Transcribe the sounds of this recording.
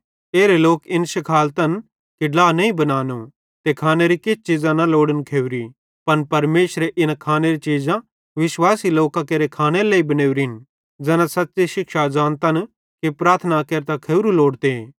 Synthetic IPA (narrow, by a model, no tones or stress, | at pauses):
eːɾeloːkɪnsɐkʰaːlt̪ɐn | keɖlaːnɐĩbɐnaːnu | t̪ekʰaːneɾikɪt͡ʃt͡ʃid͡zãnaloːɽənkʰeːʊɾi | pɐnpɐɾmeːʃɾeʔɪnakʰaːneɾit͡ʃiːzã | ʋɪswaːsiloːkãkeɾekʰaːneɾleːibɐneːwɾɪn | d͡zɛːnãsɐtːt͡ʃeʃɪkʃad͡ʒãːnt̪ɐn | kepɾaːɾt̪ʰnakeːɾt̪akʰeːʊɾuloːɽt̪e